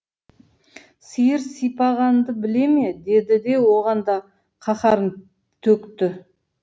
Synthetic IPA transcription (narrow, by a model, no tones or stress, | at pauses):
sijɪɾsijpɑʁɑnd̪əbɪle̞me̞d̪e̞d̪ɪd̪e̞wo̞ʁɑnd̪ɑ | qʰɑχɑɾən | t̪ʰɵkt̪ɪ